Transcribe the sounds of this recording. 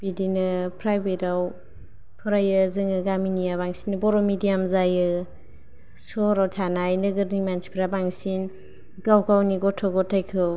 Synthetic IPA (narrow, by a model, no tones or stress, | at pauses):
b̥idinɯpʰɾajbeɾaw | pʰɯɾajɯzɯŋɯɡaminijabaŋsinɯbɔɾɔmidijamzajɯ | sɔɾawtʰanajnɯɡɯɾnimansi̥pʰɾabaŋsin | ɡawkʰawniɡɔtʰɔɡɔtʰajkʰɯw